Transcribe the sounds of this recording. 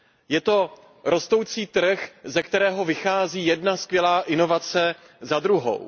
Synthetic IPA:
jɛt̪o̞ | ɾʔo̞st̪o̞wt͡siːt̪r̩xzɛkt̪ɛɾɛːɦo̞vɪxaːziːjɛdnaskvjɛlaːʔɪno̞vat͡sɛ | zad̪ɾuɦo̰w

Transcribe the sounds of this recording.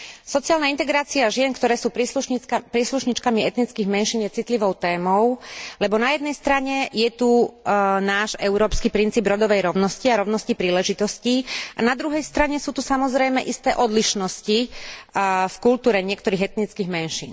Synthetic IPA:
sɔt͡sɪaːlnaint̪ɛɡɾaːt͡siaʒɪɛnkt̪ɔɾɛːsuːpɾpɾiɛsluʃɲit͡ʃkamiɛt̪nit͡skiːɣmɛnʃiːnjɛt͡sit̪liʋɔʊt̪ɛːmɔʊlɛbɔnajɛd̪nɛjst̪ɾaɲɛjɛt̪u | naːʒɛʊɾɔːpskiːpɾint͡siːbɾɔd̪ɔʋɛjɾɔʊnɔsciaɾɔʊnɔscipɾiːlɛʒit̪ɔsciːʔanad̪ɾuɦɛjst̪ɾaɲɛsuːt̪usamɔzɾɛjmɛʔist̪ɛːʔɔd̪liʃnɔsci | fkult̪uːɾɛɲɪɛkt̪ɔɾiːɣɛt̪nit͡skiːɣmɛnʃḭːn

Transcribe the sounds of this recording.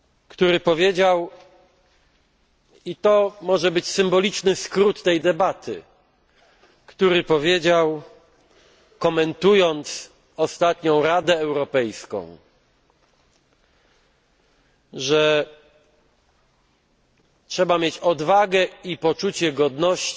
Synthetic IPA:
kt̪uɾɘpɔvʲjed͡ʑaw | it̪ɔmɔʐɛbɘt͡ɕsɘmbɔlʲit͡ʂnɘskɾut̪ːɛjd̪ɛbat̪ʰɘ̰ | kt̪uɾɘpɔvʲjed͡ʑaw | kɔmɛnt̪ujɔnt̪s | ɔst̪at̪ɲɔ̃w̃ɾad̪ɛːwɾɔpɛjskɔ̰̃w̃ | ʐɛ | tʂɛbamʲjet͡ɕɔd̪vaɡɛipɔt͡ʂut͡ɕɛɡɔd̪nɔɕt͡ɕ

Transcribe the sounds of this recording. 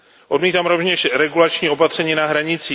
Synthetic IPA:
ʔo̞dmiːt̪aːmɾovɲɛʃɾɛɡulat͡ʃɲiːo̞pat̪r̝̥ɛɲiːnaɦɾaɲɪt͡siː

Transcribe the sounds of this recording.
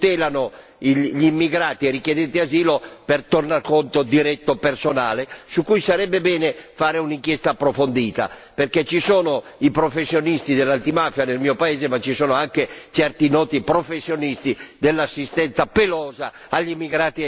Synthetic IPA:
t̪ɛːlano | iʎimːiɡɾaːt̪iɛɾikjed̪ɛnt̪eaziːlopert̪ornarkont̪od̪iɾɛt̪ːopersonaːlesukːujsaɾɛbːebɛːnefaːɾeuniŋkjɛst̪aːpːɾofond̪iːt̪a̰perket͡ʃːisoːno | ipɾofesːjonist̪id̪elːant̪imafjanelmiːopaeːzemat͡ʃisoːnoaŋket͡ʃɛrt̪inɔːt̪ipɾofesːjonist̪id̪elːasːist̪ɛnt̪sapelɔːza | aʎːimːiɡɾaːt̪i

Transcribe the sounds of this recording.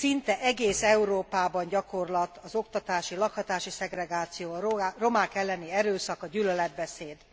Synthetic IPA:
sint̪ɛʔɛɡeːsɛuɾoːpaːbɒɲɟɒko̞rlɒt̪ɒzo̞kt̪ɒt̪aːʃilɒkhɒt̪aːʃisɛɡɾɛɡaːt̪sijoːro̞maːkɛlːɛniɛɾøːsɒkɒɟylølɛd̪̚bɛseːd̪

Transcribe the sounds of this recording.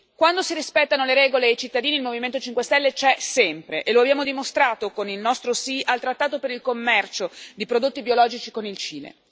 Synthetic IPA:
kwand̪osiɾispɛt̪ːanoleɾɛːɡoled̪ejt͡ʃit̪ːad̪iːniːlmoviment̪ot͡ʃiŋkwest̪ɛlːet͡ʃɛsɛmpɾeʔeloabjaːmod̪imost̪ɾaːt̪okonilnɔst̪ɾosiʔalt̪ɾat̪ːaːt̪opeɾilkomːɛrt͡ʃod̪ipɾod̪ot̪ːibiolɔːd͡ʒit͡ʃikonilt͡ʃiːlḛ

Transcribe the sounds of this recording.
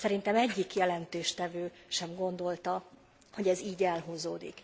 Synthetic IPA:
sɛɾint̪ɛmɛɟːikjɛlɛnt̪eːʃt̪ɛvøː | ʃɛmɡo̞nd̪o̞lt̪ɒ | ho̞ɟɛziːɟɛlɦuːzoːd̪ḭk

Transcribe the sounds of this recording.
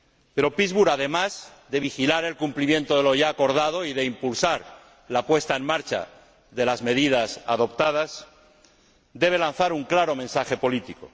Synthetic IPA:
pe̞ɾo̞pizβuɾaðe̞mazðe̞β̞ixilaɾe̞lkumplimje̞nt̪oðeloʝaːko̞ɾð̞að̞o̞iðe̞impulsaɾ | lapwe̞st̪aenmaɾt͡ʃa̰ | ðe̞lazme̞ð̞iðasa̰ðo̞pt̪að̞as | d̪e̞β̞e̞lan̟θaɾuŋklaɾo̞mẽ̞nsaxe̞po̞lit̪iko̰

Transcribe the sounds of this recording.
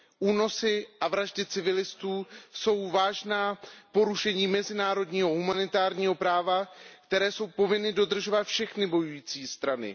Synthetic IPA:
ʔuːno̞sɪʔavɾaʒdɪt͡sɪvɪlɪst̪uːso̞wvaːʒnaːpo̞ɾuʃɛɲiːmɛzɪnaːɾo̞dɲiːɦo̞ɦumanɪt̪aːɾɲiːɦo̞pɾaːvakt̪ɛɾɛːso̞wpo̞vɪnɪdo̞d̪r̩ʒo̞vat̪fʃɛxnɪbo̞jujiːt͡siːst̪ɾanɪ̰

